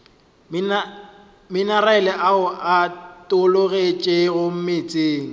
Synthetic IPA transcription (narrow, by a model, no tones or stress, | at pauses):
mɪnaraɛlɛʔaʊʔatʼʊloɣet͡ʃʼeɣʊm̩mɪt͡sʼeːŋ̩